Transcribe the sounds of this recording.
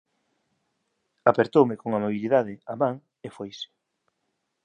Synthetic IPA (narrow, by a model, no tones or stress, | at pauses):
apeɾt̪owmɪkoŋamoβ̞iliðaðɪamaŋ | efojsɪ̥